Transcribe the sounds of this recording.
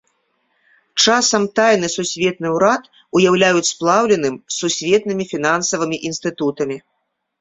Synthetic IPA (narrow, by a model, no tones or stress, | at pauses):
t͡ʂasɐmt̪ajnɨsusʲvʲɛt̪nɨwɾat̪ | ujawlʲajut͡sʲsplˠawlʲɛnɨmsːusʲvʲɛt̪nɨmʲifʲinansɐvɨmʲiʔinst̪ɨt̪ut̪ɐmʲi